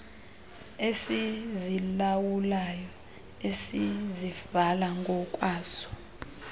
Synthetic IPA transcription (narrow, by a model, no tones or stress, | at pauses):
esizilawulajɔ | esiziv̥alaŋɡʱɔkʼwaːsɔ̥